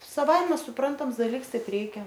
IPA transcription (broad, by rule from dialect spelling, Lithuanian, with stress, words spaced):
sɐˈʋɐɪmʲɛ sʊˈprɐntɐms dɐˈlʲɪks ˈtɐɪp ˈrʲɛɪkʲɛ